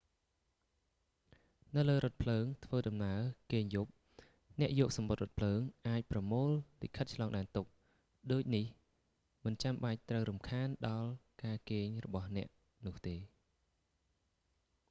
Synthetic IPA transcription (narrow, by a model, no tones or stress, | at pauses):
nɨwləːɾŏət̪̚pʰləːŋt̪ʰʋəːɗɑmnaəkeːɲjup̚ | nɛ̆əʔjɔːk̚sɑmɓot̪̚rŏət̪̚pʰləːŋʔaːc̚prɑmoːlːḭʔkʰət̪̚t͡ɕʰlɑːŋɗaɛnt̪uk̚ | ɗoːc̚nih | mɨnt͡ɕamɓac̚t̪rəwɾumkʰaːnɗɑlkaːkeːɲrɔɓɑhnɛ̆əʔ | nʊ̆əht̪eː